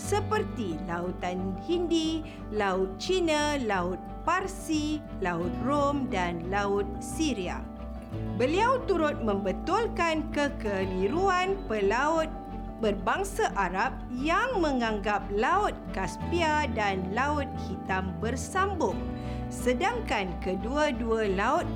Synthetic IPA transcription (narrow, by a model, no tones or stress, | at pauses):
səpərt̪ilaut̪anhindi | laʊt̪̚t͡ʃinalaʊt̪̚parsi | laʊt̪̚romdanlaʊt̪̚siɾia̰ | bəliawt̪uɾʊt̪̚mə̃mbət̪ʊlkankəkəliɾuanpəlaʊt̪̚ | bərbaŋsaʔaɾap̚jaŋmə̃ŋãŋɡap̚laʊt̪̚kaspiadanlaʊt̪̚hit̪ambərsambʊŋ | sədaŋkankəduadualaʊt̪̚